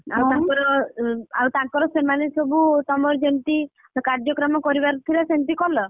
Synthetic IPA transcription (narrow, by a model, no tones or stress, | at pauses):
a̰wt̪ãŋkɔɾɔ | a̰wt̪aŋkɔɾɔsemanesɔbut̪ɔmɔɾd͡ʒent̪i | kaɾd͡ʒɔkɾɔmɔkɔɾibaɾt̪ʰilasent̪ikɔlɔ